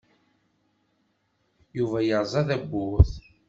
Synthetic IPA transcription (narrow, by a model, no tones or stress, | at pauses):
juvæjəɾˤzˤɑðæbːʊθ